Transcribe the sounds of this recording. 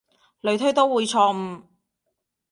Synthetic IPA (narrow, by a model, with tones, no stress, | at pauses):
lɵ˨˧ɥt̪ʰɵ˥ɥt̪o˥wwuː˨˧jt͡ʃʰɔ˧m̩˧